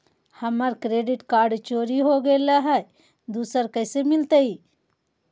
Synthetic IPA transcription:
həməɾkɾeːɖɪʈkaːɾɖt͡ʃoːɾiɦoɡəlaɦɛ | d̪uːsəɾkəɪsemɪlt̪ei

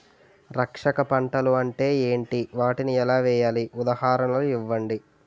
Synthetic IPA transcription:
ɾɐkʂɐkɐpɐɳʈɐluɐɳʈe̞ːeːɳʈiʋaːʈiniɛlaːʋɛːjaːliʔud̪ɐhaːɾɐmloːiʋːɐɳɖi

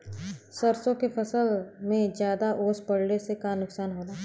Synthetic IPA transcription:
səɾsõkepʰɐsəlmẽd͡ʒjaːd̪aʔoːspɐɽnesekaːnːʊksaːnɦoːd̪aː

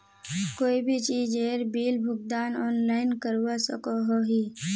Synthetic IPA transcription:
koːibʱit͡ʃiːd͡ʒeːɾbiːlbʱʊk̚d̪aːnɔːnlaːɪnkəɾuwasəkoɦoːɦiː

